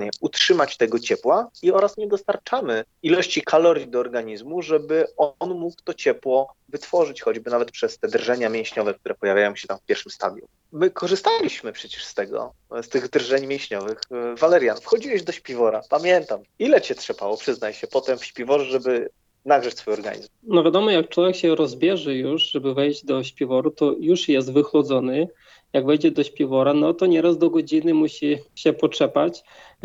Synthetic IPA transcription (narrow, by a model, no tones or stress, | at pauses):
ɲɛutʂɘmat͡ɕt̪ɛɡɔt͡ɕɛpwaiɔɾasɲɛd̪ɔst̪aɾt͡ʂamɘ | ilɔɕt͡ɕikʰalɔɾʲjid̪ɔːɾɡaɲizmuʐɛbɘɔnmukt̪ɔt͡ɕɛpwɔvɘt̪fɔʐɘt͡ɕxɔd͡ʑbɘnavɛt̪̚pʂɛst̪ɛd̪ɾʐɛɲamʲjɛ̃w̃ɕɲɔvɛk̚t̪uɾɛpɔjavʲajɔ̃w̃ɕɛt̪amfpʲjɛɾʂɘmst̪a̰d̪jṵ | mɘkʰɔʐɨst̪alʲiɕmɘpʂɛt͡ɕɛ̥ʂst̪ɛɡɔ̰ | st̪ɘɣd̪rʐɛɲmʲjɛ̃w̃ɕɲɔvɘxvalɛɾjanfxɔd͡ʑiwɛʑd̪ɔɕpʲivɔɾa̰pamʲjɛnt̪am | ilɛt͡ɕɛt̪ʂɛpawɔpʂɘznajɕɛpɔt̪ɛmfɕpʲjɛvɔʐɛʐɛbɘ | naɡɾat͡ɕsfujɔɾɡa̰ɲḭzmnɔvʲjad̪ɔmɔjak̚t͡ʂwɔvʲjɛkɕɛɾɔzbʲjɛʐɘjuʐʐɛbɘvɛjʑd͡ʑd̪ɔɕpʲɛvɔɾut̪ɔjuʂjɛs̬t̪vɘxlɔd̪zɔnɘ | jaɡvɛjd͡ʑɛd̪ɔɕpʲjivɔɾanɔt̪ɔɲɛɾazd̪ɔɡɔd͡ʑinɘmuɕiɕɛpɔt͡ʂɛpat͡ɕ